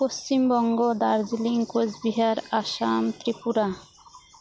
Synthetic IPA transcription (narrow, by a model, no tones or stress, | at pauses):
post͡ɕimbɔŋɡod̪aɾd͡ʑiliŋkod͡ʑbiɦaɾaʃamt̪ɾipuɾa